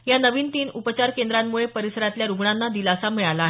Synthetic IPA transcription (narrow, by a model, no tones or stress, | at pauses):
janəʋiːnt̪iːnupət͡ɕaɾkend̪ɾamːuɭepəɾisəɾat̪ljaɾuɡɳanːad̪ilasamiɭalaːɦe